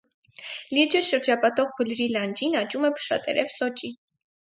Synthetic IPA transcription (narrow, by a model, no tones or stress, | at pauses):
lid͡ʒəʃəɾd͡ʒɑpɑt̪ɔʁbʰulɾilɑnd͡ʒinɑt͡ʃumɛpʰə̥ʃɑ̰t̪ʼɛ̰ɾɛvsɔt͡ʃʼi